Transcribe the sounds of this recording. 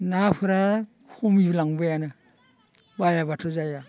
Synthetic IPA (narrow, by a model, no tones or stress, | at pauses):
napʰɯɾa | kʰumiblaŋbɯjanɯ | bajaβatʰozaja